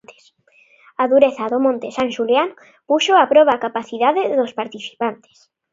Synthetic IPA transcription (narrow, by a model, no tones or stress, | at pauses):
t̪e̥s | aðuɾeθaðomõnt̪esanʃuljan | puʃoapɾɔβaːkapaθiðaðeðospaɾt̪iθi̥pant̪e̥s